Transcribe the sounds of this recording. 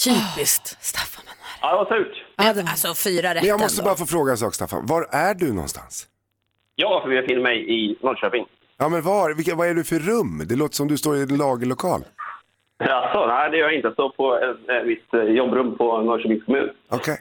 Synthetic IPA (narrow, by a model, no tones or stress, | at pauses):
t̪ʰyːpɪskt̪st̪afːamanhæɾɑːd̪ɛvasʉ̟ːʈd̪asɔfyːɾaɾɛɛnjɑːɡmɔst̪əbɑːɾafoːfɾoːɡaɛnsɑːkst̪a̰fːa̰nvaɾæɖɵnɔ̰nst̪a̰ns | jɑːfœɾvɪɛfɪnːəɾmɛjɪnɔɾɕøːpɪŋ | jɑːmɛnvavɪvaæɖɵfœɾɵmːd̪ɛloːt̪ə̥ʂɔmd̪ɵst̪oːɾɪɛnlɑːɡəlʊkʰɑ̰ːl | alsɔnæɪd̪ɛjœɾjaɪnt̪əasɔpʰɔɛmɪt̪jɔbːɾɵmːpʰɔnɔʂəmɪskʰɔmʉ̟̰ːnɔkʰɛj